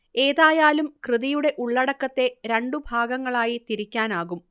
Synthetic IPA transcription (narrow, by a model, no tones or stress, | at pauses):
e̞ːðaːjaːlumkrɨðijuɽe̞ʔuɭːɐɽɐkːɐt̪ːe̞ɾeɳɖubʱaːɡɐŋːɐɭaːjit̪iɾikʲːaːnaːɣum